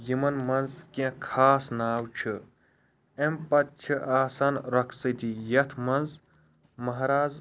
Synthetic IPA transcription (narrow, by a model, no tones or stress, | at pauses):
jimɐnmɐnzkẽkʰaːsnaːwt͡ʃʰɨ | empɐt̪t͡ʃʰiʔaːsanɾɐkʰsɐt̪ijɐt̪ʰmɐnz | mɐɦɾaːz